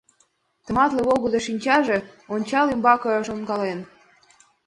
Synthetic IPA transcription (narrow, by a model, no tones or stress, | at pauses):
t̪ə̆mɑt̪lĕβoɣɤd̪ĕʃinʲt͡ɕɑʒe̽onʲt͡ɕɑlembɑkɤɤʃonɡɑlen